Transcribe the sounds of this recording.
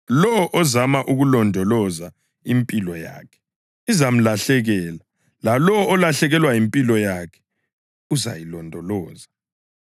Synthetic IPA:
lɔwɔʔɔzamaʔuɣulɔndʱɔlɔza | impʼilɔja̰ːkʰɛ̥ | izam̩laɬɛɣɛːla | lalɔːlaɬɛɣɛlwajimpʼilɔjakʰɛ̥ | uza̰jilɔndʱɔlɔːza

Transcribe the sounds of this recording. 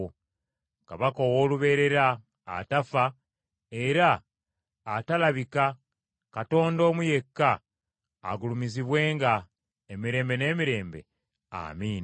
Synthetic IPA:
kaβakoːwo̞ːluβe̞ɾe̞ɾa̰ː | tafa | e̞ɾaː | talaβika | kato̞ːndo̞ːmuje̞kːa̰ː | ɡulumiziβwe̞ːŋɡa | emiɾe̞ːmbe̞ne̞ːmiɾe̞ːmbe̞̰ | a̰miːn

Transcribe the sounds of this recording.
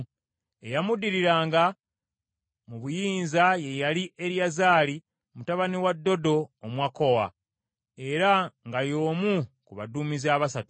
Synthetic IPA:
e̞jamudiɾiɾaːŋɡa | muβujiːnzaje̞jaliʔe̞ɾjazaːli | mutaβaniwadːo̞do̞ːmwako̞wa̰ | e̞ɾaŋɡajo̞ːmukuβaduːmizaːβasatu̥

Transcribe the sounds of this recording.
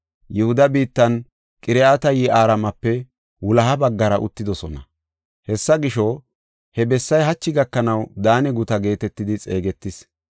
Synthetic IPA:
jɛhʊd̪ɐbiːt̪ːɐn | kʼɪɾɛat̪ɐjiʔaːɾɐmɐpːɛ | wʊlɐɦɐbɐɡːɐɾɐʔʊ̰t̪ːɪd̪ɔsɔnɐ̰ | hɛsːɐɡɪʃɔ | hɛbɛsːɐjɦɐt͡ʃːɪɡɐkːɐnɐwd̪aːnɛɡʊt̪ɐɡe̞ːt̪ɛt̪ːɪd̪ɪt͡sʼe̞ːɡɛt̪ːɪs

